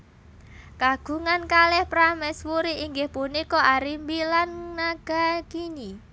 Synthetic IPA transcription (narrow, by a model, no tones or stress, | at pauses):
kaɡ̥ṳŋankalɛhpɾamɛswuɾiiŋɡɪhpunikɔʔaɾimbilannaɡ̥a̤kini